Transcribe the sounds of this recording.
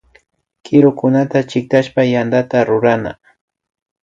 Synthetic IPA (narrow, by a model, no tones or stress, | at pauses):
kɪɾʊkʊnat̪at͡ʃɪk̚t̪aʃpajand̪at̪aɾʊɾana̰